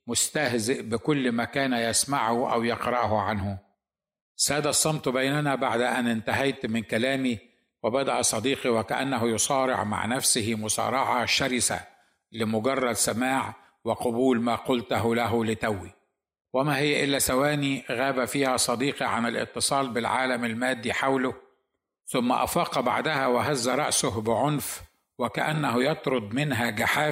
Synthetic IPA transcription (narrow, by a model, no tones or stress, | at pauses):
mʊst̪ahzɪʔbɪkʊlːmakaːnjasmaʕʊʔa̰wjɪqɾˤɑʔhʊʕanhʊ | sæːd̪asˤːɑmt̪ˤbajnanabaʕd̪ʔanɪnt̪aɦajt̪mɪnkalaːmi | wɪbad̪aʔsˤɑd̪iːqiwɪkaʔa̰nːaɦʊjʊsˤɑːɾɪ̰ʕma̰ʕnafsɪhɪmʊsˤɑ̰ːɾˤɑʕɑʃaɾɪsa̰ | lɪmʊɡɑrˤːɑd̪samaːʕ | wɪqɑbuːlmaːqʊlt̪ɦʊlæɦʊlɪt̪æwːi | wɪmæːɦɪjːæʔɪlːæsawæːniɣæːbæfiːhæsˤɑd̪iːqiʕa̰nɪlʔɪ̰t̪ːɨsˤɑːlbɪlʕa̰ːlamalmæːd̪ːiħawlʊ | θʊmːa̰ʔɑ̰fɑːqɑba̰ʕd̪æhæwɪɦazːaɾˤɑ̰ʔsʊhbɪʕonf | wɪkaʔanːæɦʊjɑt̪ˤɾˤʊd̪̚ˤmɪnɦæɡaħaː